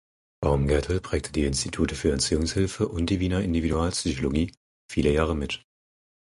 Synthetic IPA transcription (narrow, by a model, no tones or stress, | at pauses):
b̥aʁmɡɛɐtʰl̩pʁ̥ɛːk̚tʰədiːɪnstitʰuːtəfyːɐɛɐntt͡syːʊŋshɪlfəʔʊnt̚d̥iːviːnɐɪndividuaːlpsyçoloɡiː | fiːləjaːʁəmɪt